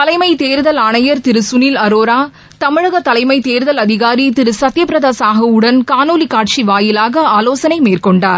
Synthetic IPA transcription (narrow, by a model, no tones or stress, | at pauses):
t̪ɐlɐɪmɐɪt̪eːɾðɐlaːɳɐjɐɾt̪ɪɾɯsʊniːlɐɾoːɾaː | t̪ɐmɪɻɐɣɐt̪ɐlɐɪmɐɪt̪eːɾɯðɐlɐðɪɣaːɾit̪ɪɾɯsɐt̪ːjɐpɪɾɐðaːsaːɣɐɯɽɐnkaːnoːlikaːʈʂiʋaːjɪlaːɣɐaːloːsɐnɐɪmeːrkɔɳɖaːɾ